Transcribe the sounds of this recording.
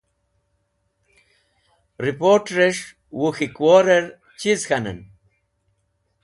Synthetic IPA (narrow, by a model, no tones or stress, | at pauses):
ɾipoʈɾeʂ | wuxikwoɾeɾ | t͡ɕizxɐnɐ̰n